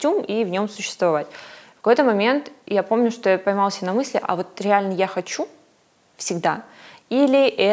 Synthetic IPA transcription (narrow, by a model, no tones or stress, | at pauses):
tʲumivnʲo̞msʊɕːɪ̥st̪vɐvatʲkɐ̥ko̞jt̪əmɐmʲe̞nt̪japo̞mnʲʊʂt̪ojapɐjmalˠsʲənɐmɨsʲlʲɪʔɐ̰vo̞t̪ɾʲɪalʲnəjaxɐt͡ɕu | fsʲɪɡd̪ailʲɪʔɛ